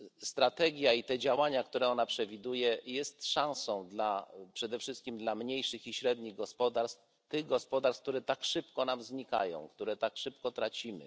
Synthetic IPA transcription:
st̪ɾat̪ɛɡʲjait̪ɛd͡ʑawaɲakt̪uɾɛɔnapʂɛvʲid̪ujɛjɛst̪ʂãw̃sɔ̃w̃d̪lapʂɛd̪ɛfʂɘst̪kʲimd̪lamɲejʂɘxiɕɾɛd̪ɲiɣɡɔspɔd̪aɾst̪ | t̪ɘɣɡɔspɔd̪aɾsk̚t̪uɾɛt̪akʂɘpkɔnamzɲika̰jɔ̰̃w̃kt̪uɾɛt̪akʂɘpkɔt̪ɾat͡ɕimɘ̰

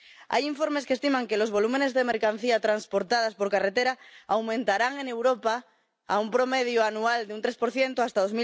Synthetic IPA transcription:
a̰jiɱfo̞ɾme̞skest̪imãŋke̞lo̞zβo̞lume̞ne̞zðemeɾkan̟θiat̪ɾanspoɾt̪að̞aspo̞ɾkaret̪eɾaawmẽnt̪aɾaŋene̞wɾo̞pa | a̰umpɾo̞meðjuanuald̪eunt̪ɾespo̞ɾθjent̪oast̪aðo̞zmi

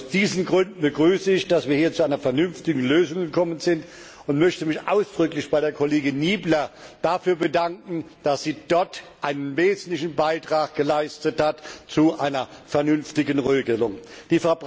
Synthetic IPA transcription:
ʊsd̥iːzn̩ɡʁʏndn̩bəɡʁyːsəɪçd̥asv̥iːɐhiːɐt͡suʔaɪnɐfɛɐnʏnftɪɡŋ̩løːzʊŋɡəkʰɔmənzɪnt | ʊntmœçtəmɪçʔa̰ʊsd̥ʁʏklɪçb̥aɪɾeːɐkʰoleːɡɪnniːblɐd̥afyːɐbədaŋkŋ̩d̥asz̥iːd̥ɔɐtʔaɪnənveːzn̩tlɪçn̩baɪtʁ̥aːk̚ɡ̥əlaɪstəthatt͡suʔaɪnɐfɛɐnʏnftɪɡən̩ʁeːɡəlʊŋd̥iːfɛɐb

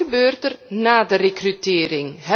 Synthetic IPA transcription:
əbøːrtərnaːdərekrytɪːrɪŋɦɛ

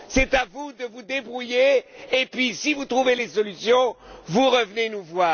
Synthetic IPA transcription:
sɛt̪avud̪əvud̪ebʁujeːpɥisivut̪χuvelesɔlysjɔ̃vuʁəvnenuvwaː

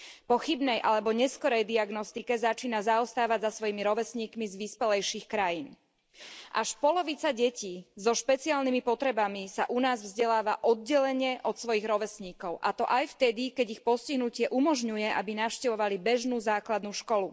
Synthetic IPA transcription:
pɔxibnɛjʔalɛbɔɲɛskɔɾɛjd̪iaɡnɔst̪ikɛzat͡ʃiːnazaɔst̪aːʋaɟzasʋɔjimiɾɔʋɛsɲiːkmizʋispɛlɛjʃiːxkɾajiːn | ʔaʃpɔlɔʋit͡saɟɛciːzɔʃpɛt͡siaːlnimipɔt̪ɾɛbamisaʔunaːzvzɟɛlaːʋaʔɔd̪̚ɟɛlɛɲɛʔɔt̪sʋɔjiɣɾɔʋɛsɲiːkɔʊʔat̪ɔʔajft̪ɛd̪ikɛɟixpɔsciɦnucɪɛʔumɔʒɲujɛʔabinaʊʃcɛʋɔʋalibɛʒnuːzaːklad̪nuːʃkɔlu

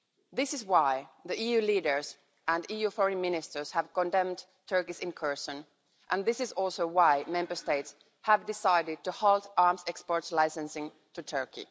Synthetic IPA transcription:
ðɪsɪzwaɪðiʔijʉːliːɾə˞z | ʔæ̃nijufɔɹɨ̃nmɪnɪstə˞z̥hæv̥kɔ̃ndɛ̃md | tʰɜ˞kisɪ̃nkʰɜ˞sə̃n | ʔə̃nðɪsɪzɔlˠsoʊwaɪmɛ̃mbə˞steɪts | hævdɪsaɪɾɪd̚tuhɔlˠtɑɹmsɛkspɔɹtslaɪsɨ̃nsɪ̃ŋ | tʰɨtʰɜ˞kḭ

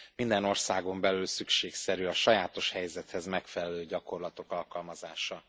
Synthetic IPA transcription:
mind̪ɛno̞rsaːɡo̞mbɛlylsykʃeːksɛɾyɒʃɒjaːt̪o̞ʃhɛjzɛt̪hɛzmɛkfɛlɛløːɟɒko̞rlɒt̪o̞kɒlkɒlmɒzaːʃɒ

